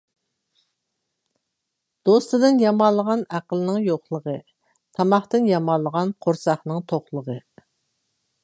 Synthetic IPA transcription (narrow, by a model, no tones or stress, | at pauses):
d̪̥ost̪ɨd̪ɨnjɑmɑlˠːəʁɑnæqəlˠɨnɪŋjoqlˠəʁə | t̪ʰɑmɑχt̪ɨnjɑmɑlˠːəʁɑnqʰoɾsɑχnɨŋt̪ʰoχlˠəʁə